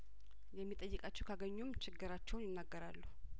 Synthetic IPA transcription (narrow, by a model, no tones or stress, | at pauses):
jɛmːit̪ʼəjːɨkʼat͡ʃːɛwkʰaɡəɲːumt͡ʃʰɪɡːɨɾat͡ʃːɛwnjɪnːaɡːəɾalːu